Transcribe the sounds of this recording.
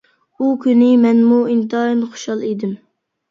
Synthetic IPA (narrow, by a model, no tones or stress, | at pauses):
ukʲynɪmɛnmuint̪ɑjɨnχo̥ʃɑlˠid̪ɪm